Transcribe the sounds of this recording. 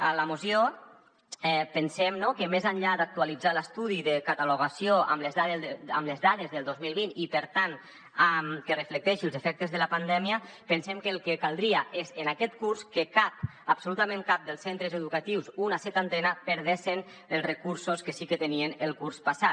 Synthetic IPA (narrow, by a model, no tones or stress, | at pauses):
aləmosjo | ɛpənsɛmnokəmezaɲʎad̪ak̚t̪ualid͡zaləst̪uðiðəkat̪aluɣasijoa̰mləzðaðamləzðaðezðəlˠd̪ozmilˠβinipəɾt̪an | amkərəflək̚t̪ɛʃiəlˠzefɛk̚t̪əzðəlapand̪ɛmiə | pənsɛmkəlˠkekalˠd̪ɾiaʔezenakɛt̪kuɾskəkap̚ | absolut̪amẽnkap̚d̪əlˠsent̪ɾəzeðukat̪iwsunasɛt̪ant̪ɛnapəɾð̞esen | əlˠsrəkuɾsoskəsikət̪enienəlˠkurspasat̪̚